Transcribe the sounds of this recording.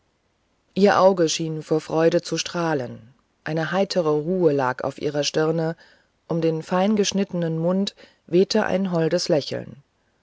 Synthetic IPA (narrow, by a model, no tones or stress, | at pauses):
ʔiːɐʔaʊɡəʃiːnfoːɐfʁ̥ɔʏɾət͡suʃtʁ̥aːlən | ʔaɪnəɦaɪtʰəʁ̞əʁuːəla̰ːka̰ʊfʔḭːʁ̞ɐʃtɪɐnə | ʔʊmdeːnfaɪnɡəʃnɪtənənmʊnt | veːtʰəʔa̰ɪnɦɔldəslɛçl̩n